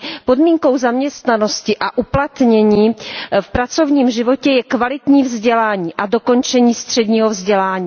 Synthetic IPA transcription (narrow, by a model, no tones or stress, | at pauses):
po̞dmiːŋko̞wzamɲɛst̪nano̞scɪʔaʔuplat̪ɲɛɲiːfpɾat͡so̞vɲiːmʒɪvo̞cɛjɛkvalɪt̪ɲiːvzɟɛlaːɲiːʔado̞ko̞nt͡ʃɛɲiːst̪r̝̥ɛdɲiːɦovzɟɛlaːɲiː